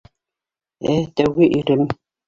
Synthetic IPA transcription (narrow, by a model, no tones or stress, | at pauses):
æt̪æwɣɘʔiɾɘm